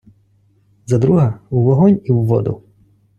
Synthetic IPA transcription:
zɐd̪ɾuɦɐuʋɔɦɔnʲiwːɔ̰d̪ʊ̰

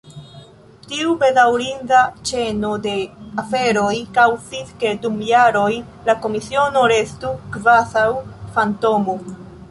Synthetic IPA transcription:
tiube̞dawɾindat͡ʃe̞no̞de̞afe̞ɾo̞jkawsiske̞dumjaɾo̞j | lako̞misio̞no̞ɾe̞stukvasawfanto̞mo

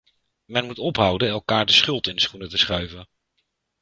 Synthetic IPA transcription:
mɛnmutɔpɦʌwdənɛlˠkaːɹdəsχɵlˠtɪndəsχunətəsχœɥvən

